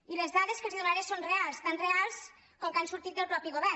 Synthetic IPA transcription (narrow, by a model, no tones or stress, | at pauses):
ilezðaðeskəlˠziðunaɾesonrealˠst̪anrealˠs | kɔŋkansuɾt̪it̪̚d̪əlˠpɾɔpiɣoβɛ